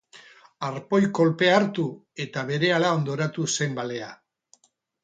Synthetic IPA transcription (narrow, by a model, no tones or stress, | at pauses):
aɾpo̞jko̞lpe̞aɾt̪u | e̞t̪aβe̞ɾe̞alao̞nd̪o̞ɾat̪use̞mbale̞a